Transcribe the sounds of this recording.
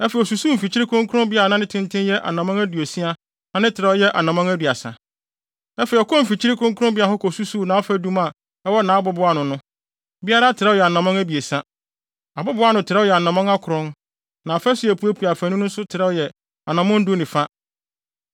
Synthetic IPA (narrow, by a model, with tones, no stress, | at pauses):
ɛ˦fɛ˨i˨ɔ˨su˨su˦m̩˨fi˨t͡ɕʰi˦ɾi˦kʰʊ̃˦ŋkʰʊ˦ɾʊ̃˦mbɪ˦a˨nã˦nɪ̃˦tʰɪ̃˦ntʰɪ̃˦njɛ˦ʔa̰˨nã˨mɔ̃˦ŋæ˦du˨e˨si˦a˦ | ã˦nɪ̃˦tʰɪ˨ɾɛ˦jɛ˦ʔa˨nã˨mɔ̃˦ŋæ˦du˨a˨sa̰˨ | ɛ˦fɛ˨i˨ɔ˨kʰɔ̃˦m̩˨fi˨t͡ɕʰi˦ɾɪ˦kʰʊ̃˦ŋkʰɾʊ̃˦mbɪ˦a˨ɦɔ˦kʰɔ˨su˦su˦˨nã˨˦ɔ˦fæ˦dũ˦ma˨ | ɛ˦wɔ˦nãː˨˦bʊ˦bʊ˨˦a˦nʊ̃˨nʊ̃˦ | bi˦a˦ɾa˦tʰɪ˨ɾɛ˦jɛ˨a˨nã˨mɔ̃˦ŋæ˦bi˨e˨sa˦ | a˨bʊ˦bʊ˦a˦nʊ̃˨tʰɪ˨ɾɛ˦jɛ˨a˨nã˨mɔ̃˦ŋa˦kʰʊ˨ɾʊ̃˦n | nã˨ɔ˨fɛ˦sɪ˨˦æ˨pʰu˨˦æ˦pʰu˨a˨fæ˨nʊ̃˦nʊ̃˦n̩˦sʊ˦tʰɪ˨ɾɛ˦jɛ˨ | a̰˨nã˨mɔ̃˦n̩˦du˦nɪ̃˨fa˦